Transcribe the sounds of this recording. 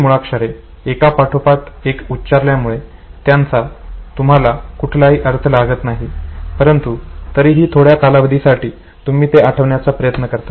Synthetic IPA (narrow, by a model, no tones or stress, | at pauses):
muɭakʂəɾe | ekapaʈʰopaʈ̪ekutːɕaɾljamuɭe | t̪jant͡sat̪um̤alakuʈʰlaɦiːʔəɾt̪ʰəlaɡət̪naɦipəɾənt̪ut̪əɾiːɦiːt̪ʰoɽjakalaʋəd̪ʱisaʈiː | t̪um̤iːt̪eʔaʈʰəʋɳjat͡sapɾəjət̪nəkəɾt̪a